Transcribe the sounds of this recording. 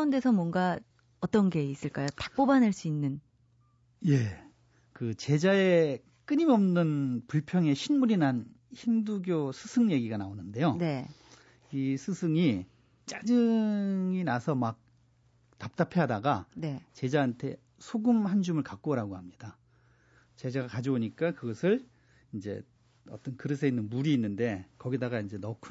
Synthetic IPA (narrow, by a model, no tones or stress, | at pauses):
unde̞sʰʌmwʌnɡa | ʌt͈ʌnɡe̞is͈ɯɭk͈ajotḁk̚p͈obanaɭs͈uinːɯn | je̞ | kɯt͡ɕe̞d͡ʑae̞ | k͈ɯɲimʌmnɯnpuɭpʰjʌŋe̞ɕʰinmuɾinançimduɡjosʰɯsʰɯŋje̞ɡiɡanaonɯnde̞jone̞ | isʰɯsʰɯŋi | t͡ɕ͈ad͡ʑɯŋinasʰʌmak̚ | tap̚t͈apʰeɦadaɡanet͡ɕe̞d͡ʑaɦantʰe̞ | sʰoɡɯmhand͡ʑumɯɭkak͈oɾaɡohamɲida | t͡ɕe̞d͡ʑaɡakad͡ʑioɲik͈akɯɡʌsʰɯɭ | ind͡ʑe̞̰ | ʌ̰t͈ʌnkɯɾɯsʰeinːɯnmuɾiːnːɯnde̞kʌɡidaɡaind͡ʑe̞nʌkʰ